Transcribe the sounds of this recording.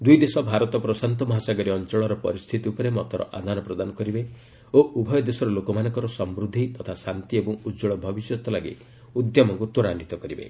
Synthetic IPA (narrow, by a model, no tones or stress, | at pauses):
d̪ujd̪esɔbʱaɾɔt̪ɔpɾɔsant̪ɔmɔɦasaɡɔɾiɔnt͡ʃɔɭɔɾɔpɔ̰ɾist̪ʰit̪iupɔɾemɔt̪ɔɾɔ̰ʔad̪ʱanɔpɾɔd̪anɔkɔɾibe | oʔubʱɔjɔd̪esɔɾɔlokɔmanɔ̃ŋkɔɾɔsɔmbɾud̪ʱːit̪ɔt̪ʰasant̪iebɔŋud͡ʒɔɭɔbʱɔbisjɔt̪ɔlaɡḭ | ud̪jɔmɔŋkut̪oɾanit̪ɔkɔɾibḛ